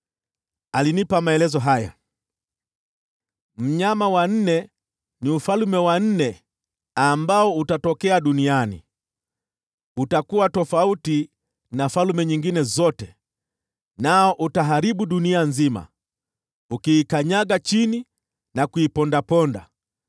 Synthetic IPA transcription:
alinipamaɛlɛzɔɦaja̰ | m̩ɲamawan̩nɛ | niufalumɛwan̩nɛ | ambaɔutatɔkɛaɗunianḭ | utakuwatɔfauti | nafalumɛɲiŋɡinɛzɔtɛ | naɔʔutaɦaɾiɓuɗunianzima̰ | ukiːkaɲaɡat͡ʃini | nakuipɔndapɔnda̰

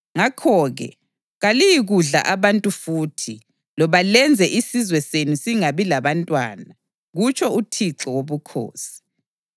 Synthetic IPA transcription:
ŋakʰɔːɣɛ̰ | ɣalijiɣuɮa̰ʔaβantʼufuːtʰi | lɔβalɛnd͡zʱɛʔisizwɛsenusiŋaβilaβantʼwa̰ːna | ɣut͡ʃʰʼɔutʰiǁɔwoβukʰo̰ːsi̥

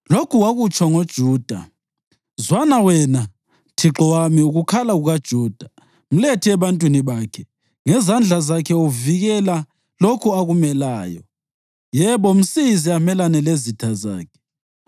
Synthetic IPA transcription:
lokʰuwaɣut͡ʃʼaŋod̥ʒ̥ʱuːd̥ʱa̰ | zwanawɛna | tʰiǁɔwamiuɣukʰalaɣuɣad̥ʒ̥ʱuːd̥ʱa | m̩letʰiɛβantʼwiniβaːkʰɛ | ŋɛzand͡ɮʱazakʰɛuviɣɛla | lokʰuaɣumɛlaːjɔ̰ | jɛβɔm̩siziamɛlanɛlezitʰaza̰ːkʰɛ̥

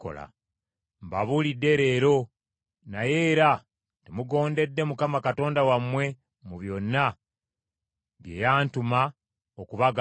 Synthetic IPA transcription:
o̰la̰ | mbaβulidːe̞ɾe̞ːɾo̞ | naje̞ːɾa | temuɡo̞ːnde̞dːe̞mukamakato̞ːndawamwe̞ | muβjo̞nːa | βjḛːjaːntuma | okuβaɡ

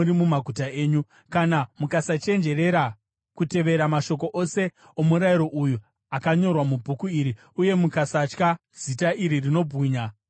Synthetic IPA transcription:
uɾimumaɡʱutae̞ːɲu | kanamukasat͡ʃe̞nd͡ʒe̞re̞ɾa | kute̞ʋe̞ɾamaʃo̞k̬o̞ʔo̞se̞ | omuɾaiɾo̞ʔuju | akaɲo̞rwamubʱukuiɾi | uje̞mukasat͡ʃka | z̥itaiɾirino̞bʱɣiːɲa

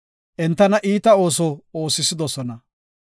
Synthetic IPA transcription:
ʔɛnt̪ːɐnɐʔiːt̪ɐo̞ːs̬ɔo̞ːsːɪsɪd̪ɔsɔnɐ

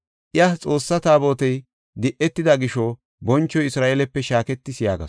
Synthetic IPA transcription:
ʔɪjɐt͡sʼo̞ːsːɐt̪aːbo̞ːt̪ɛj | d̪ɪʔɛt̪ːɪd̪ɐɡɪʃɔ | bɔnt͡ʃːɔjɪsɾaːʔeːlɛpːɛʃaːkɛt̪ːɪsɪja̰ːɡɐ̰s

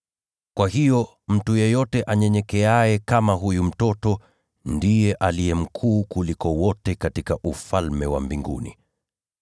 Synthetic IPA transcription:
kwaɦijɔ | m̩tujɛjɔtɛʔaɲɛɲɛkɛajɛkamaɦujum̩tɔtɔ | ndijɛʔalijɛm̩kʰuːkulikɔwɔtɛkatikaʔufalmɛwa̰mbiŋɡṵnḭ

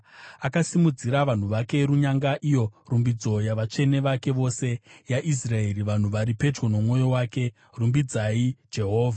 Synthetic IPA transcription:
akasimud͡ziɾaʋan̤uʋake̞ɾuɲaŋɡaʔijo̞rumbid͡zo̞jaʋat͡ʂe̞ne̞ʋake̞ʋo̞se̞jaʔis̬rae̞ɾiʋan̤uʋaɾipe̞d͡ʒɡo̞no̞mŋo̞jo̞waːke̞ | rumbid͡zaid͡ʒe̞ɦo̞ːvʱa

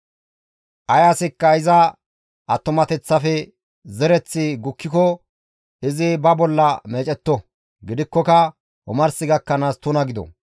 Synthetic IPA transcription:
ʔɐjasɪkːɐɪzɐ | ʔɐt̪ːʊmɐt̪ɛt͡sːɐfɛ | zɛɾɛt͡sːɪɡʊkːɪkɔ | ɪzɪbɐbɔlːɐme̞ːt͡ʃʼɛt̪ːɔ | ɡɪd̪ɪkːɔkɐ | ɔ̰mɐɾsɪɡɐkːɐnaːst̪ʊnɐɡɪd̪ɔ̰

